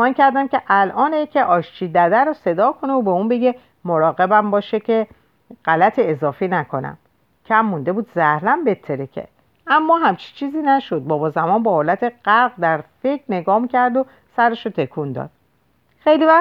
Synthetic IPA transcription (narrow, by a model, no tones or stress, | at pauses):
ɒːncʰæɾd̪æmcʲʰeʔælʔɒːnecʰeʔɒːʃt͡ʃʰiːd̪æd̪æɾose̞d̪ɒːkʰo̞neobeuːnbe̞ɡʲe | moɾɒːɣe̞bæmbɒːʃecʰe | ɢælæt̪ʰeːzɒːfiːnækʰo̞næ̰m | cʰæmːund̪e̞buːd̪zæhlæmbe̞t̪ʰːeɾecʰḛ | ʔæmːɒːɦæmt͡ʃʰi̥t͡ʃʰiːziːnæʃod̪̚bɒːbɒːzæmɒːnbɒːhoːlæt̪ʰe̞ɢ̥æɾɡd̪æɾfekɾne̞ɡɒːmicʰæɾd̪o | sæɾeʃot̪ʰe̞kʰund̪ɒ̰ːd̪̥̚ | xejlivæ